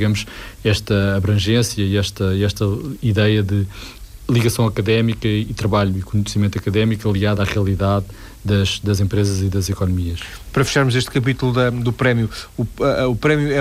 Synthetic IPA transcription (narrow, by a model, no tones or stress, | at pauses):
iɣɐmuʃɛʃt̪ɐɐβɾɐ̃ʒẽsjɐiɛʃt̪ɐiɛʃt̪ɐiðɛjɐðɨ | lˠiɣɐsɐ̃w̃ɐkɐðɛmikɐit̪ɾɐβaʎuikuɲsimẽnt̪ɐkɐðɛmikɐlˠiɣaðaʁiɐlˠiðaðː | ɐʒd̪ɐzẽmpɾezɐziðɐzikɔnumiɐʃ | pɐɾɐfi̥ʃaɾmuzeʃt̪kɐp̬it̪ulˠuðɐd̪upɾɛmjuuɐupɾɛmjuɛ